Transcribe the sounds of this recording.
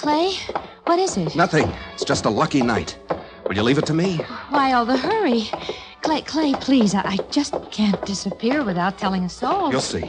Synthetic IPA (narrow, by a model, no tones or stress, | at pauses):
kʰl̥eɪwʌɾɪzɪt̚nʌθɪ̃ŋɪtsd̥ʒ̥ʌstəlʌkina̰ɪt̚ | wɨlˠjɨlivɨtʰɨmiwaɪɔlˠðəɦɜ˞i | kʰl̥eɪkʰl̥eɪpʰl̥izaʔaɪd͡ʒʌskʰæ̃nd̥ɪsɨpʰɪɹwɨθaʊtʰɛlˠɪ̃ŋɨsoʊlˠjulˠsḭ